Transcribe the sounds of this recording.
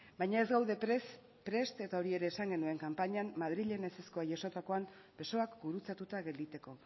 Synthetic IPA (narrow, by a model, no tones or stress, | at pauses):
bajɲae̞zɣawðe̞ɾs | pɾe̞st̪e̞t̪ao̞ɾie̞ɾe̞ːsaŋɡe̞nue̞ŋkampaɲamːað̞ɾiʎe̞neseskoajʝaso̞t̪ako̞am | be̞so̞akbuɾut͡sat̪ut̪aɣe̞ld̪it̪e̞ko̞